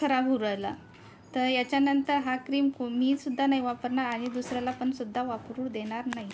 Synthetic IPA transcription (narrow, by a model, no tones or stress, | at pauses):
əɾaɦuɾəjla | t̪əɾjat͡ɕjanənt̪əɾɦakɾiːmkomiːsud̪ʱːanaɦiʋapəɾɳaɾaɽ̃id̪usɾjalapəɳsud̪ʱːaʋapɾuːɽd̪eɽ̃aɾnaɦi